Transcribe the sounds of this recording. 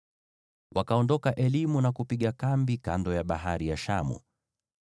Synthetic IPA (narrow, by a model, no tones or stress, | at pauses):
wʔakaɔndɔkaʔɛlimunakupiɠakambika̰ndɔjaɓaɦaɾijaʃa̰mṵ